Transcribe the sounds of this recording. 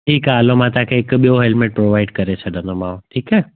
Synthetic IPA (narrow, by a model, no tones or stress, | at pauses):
ʈʰiːkaɐlomãːt̪ɔãkʰeːɪkɓijoɦeːlmẽːʈ̚pɾoːʋaːɪɖkɐɾet͡ɕʰɐɗʱə̃nd̪omãːʈʰiːkaː